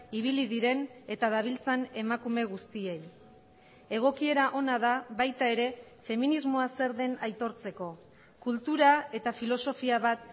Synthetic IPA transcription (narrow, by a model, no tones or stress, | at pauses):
iβ̞iliðiɾe̞ne̞t̪að̞aβ̞ilt͡sane̞makume̞ɣ̞ust̪ie̞j | e̞ɣ̞o̞kie̞ɾaʔo̞naðaβajt̪ae̞ɾe̞ | fe̞minizmo̞ase̞ɾðe̞najt̪o̞ɾt͡se̞ko̞ | kult̪uɾae̞t̪afilo̞so̞fiaβat̪̚